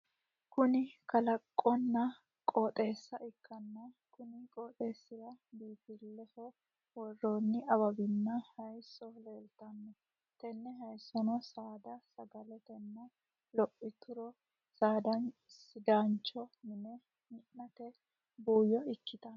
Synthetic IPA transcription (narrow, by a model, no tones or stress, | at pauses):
kʊnɪkɐlɐkʼːɔnːɐ | kʼɔːt̪ʼe̞ːsːɐʔɪkʰːɐnːɐ | kʊnɪkʼɔːt̪ʼe̞ːsːɪɾɐbiːfɪlːɛhɔ | wɔrːoːnːɪɐβɐbɪnːɐhɐjsːɔleːlt̪ɐnːɛ | t̪ɛnːɛɦɐjsːɔnɔsaːd̪ɐsɐɡɐlɛt̪ɛnːɐ | lɔʔːɪt̪ʊɾɔ | saːd̪ɐnsɪd̪aːnt͡ʃːɔmɪnɛ | mɪʔːɐt̪ɛ | buːjɔɪkːɪt̪ɐn